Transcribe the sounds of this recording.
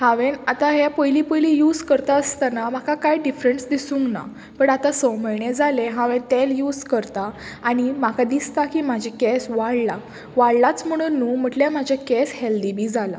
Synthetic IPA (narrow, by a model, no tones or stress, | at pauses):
haʋenat̪aɦapəjliːpəjlijud͡zkəɾt̪aəst̪anamakakajɖifɾensd̪isũːŋkna̰ | pəɳat̪asəwməjɳed͡zʱaleɦaʋent̪eljuːd͡zkəɾt̪aː | ɽ̃imakʰad̪ist̪akimad͡ʑʱikesʋaɽla | ʋaɽlat͡sm̤əɽ̃uːnːuːm̤əʈljamad͡ʑʱjakɛsheld̪ibiːd͡zala̰